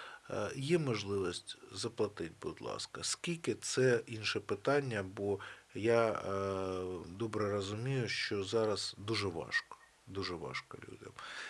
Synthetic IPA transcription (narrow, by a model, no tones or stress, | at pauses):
jɛmɔʒlˠɪʋisʲtʲzɐplˠɐt̪ɪdʲbʊd̪lˠɑ̰skɐskʲilʲkɪt̪sɛinʃɛpɪt̪ɑnʲːɐbɔja | d̪ɔbɾɛrɐzʊmʲijʊʃt͡ʃɔzɑɾɐzd̪uʒɛʋɑ̰ʃkɔ̥ | d̪uʒɛʋɑ̰ʃkɔ̰lʲṵdʲɐ̰m